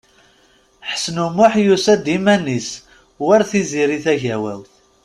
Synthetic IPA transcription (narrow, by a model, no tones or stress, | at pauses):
ħsnumʊħjusæd̪imænis | wæɾθiziɾiθæʝæwælθ